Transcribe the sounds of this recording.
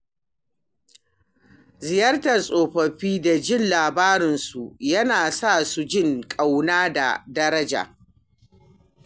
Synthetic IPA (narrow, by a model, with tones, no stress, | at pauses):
zɪ˨jɐ˦rtɐ˨sʼoː˨ɸɐ˨ɸiː˦da˨d͡ʒɪ˦nlaː˨baː˦ɾɪ˨nsu˨jɐ˦naː˨sa˦˨su˨d͡ʒɪ˦˨ŋkʼa˨wnaː˦da̰˨dɐ˦ɾɐ˦d͡ʒa̰˨